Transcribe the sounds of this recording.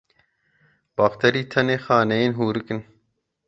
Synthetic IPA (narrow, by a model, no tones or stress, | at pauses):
bɐxt̪ɐɾiːt̪ʰɐneːxaːnɐjeːnɦuːɾɨkɨn